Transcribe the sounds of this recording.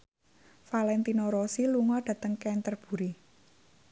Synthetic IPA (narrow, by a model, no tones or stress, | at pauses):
falɛnt̪inoɾosiluŋɔɖ̥ä̤t̪əŋkɛnt̪ərb̥ṳɾi